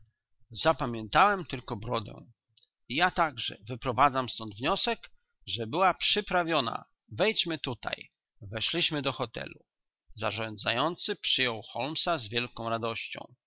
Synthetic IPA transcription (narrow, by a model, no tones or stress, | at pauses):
zapamʲjɛnt̪awɛmt̪ɘlkɔbɾɔd̪ɛ̰w̃ | jat̪aɡʐɛ̰vɘpɾɔvad̪zamst̪ɔnd̪vɲɔsɛk | ʐɛbɘwapʂɘpɾavʲjɔna̰ | vɛjt͡ɕmɘt̪ut̪a̰j | vɛʂlʲiɕmɘd̪ɔxɔt̪ɛ̰lu | za̰ʐɔ̃nd̪zajɔnt̪sɘpʂɘjɔwxɔlmsazvʲjɛlkɔ̃w̃ɾad̪ɔɕt͡ɕɔ̰̃w̃